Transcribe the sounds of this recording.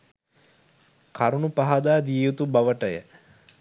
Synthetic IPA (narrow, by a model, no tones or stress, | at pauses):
kaɾunupaɦad̪aːd̪iːjut̪ubaʋəʈəjə̰